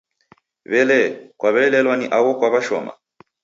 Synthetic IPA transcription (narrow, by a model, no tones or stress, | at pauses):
βɛlɛkwaβɛlɛlwaniʔawɔkwaβaʃɔ̰ma̰